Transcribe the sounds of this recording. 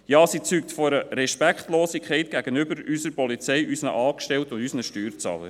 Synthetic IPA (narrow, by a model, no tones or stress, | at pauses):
jɑːsit͡syːktfɔɾəɾɛʃpækχtloːsikʰχɛɪt̚ɡ̥æɡ̥ənʏbəɾysəɾpɔlit͡sɛjʔysnə̰ʔɑːkʃtɛltʊndysnəʃtyːɾt͡sɑ̰ːlə̰